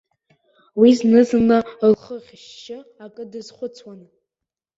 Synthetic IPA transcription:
wiznɨzɨnalχəʁʲʃːɪakʼɨdɨzχʷʊt͡sʰwan

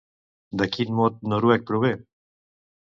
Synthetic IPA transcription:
d̪əkʰiːnmoːt̪̚noɾuːɛk̚pɾoβe

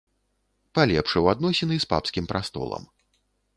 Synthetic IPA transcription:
palʲɛpʂɛwad̪nɔsʲɪnɨspa̰pskʲimpɾʔast̪ɔ̰lˠɐ̰m

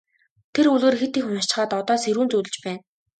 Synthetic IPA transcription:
t̪ʰeɾuɮeːrxet̪iːkxʊnʃt͡ɕ̆χaːt̪ɔt̪ɔːseɾuːnt͡sut̪ɘ̆t͡ɕpæːn

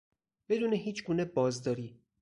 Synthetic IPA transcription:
b̥e̞d̪uːneɦiːt͡ʃʰɡuːnebɒːzd̪ɒːɾiː

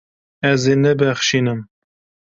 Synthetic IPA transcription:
ɛzeːnɛbɛxʃiːnɨm

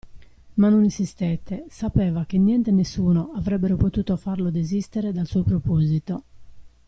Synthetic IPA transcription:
manːoninsist̪ɛt̪ːesapɛːvak̟enjɛnt̪enesːuːnoavɾɛbːeɾopot̪uːt̪ofarlod̪ezist̪eɾed̪alsuːopɾopozit̪o

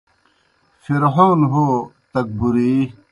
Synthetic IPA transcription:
fiɾɦoːnɦoːt̪ɐk̚buɾiː

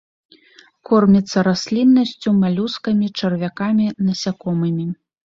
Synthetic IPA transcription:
kɔrmʲit̪sːɐɾasʲlʲinːɐsʲt͡sʲumalʲuskɐmʲit͡ʂɐrvʲakamʲinɐsʲakɔmɨmʲi

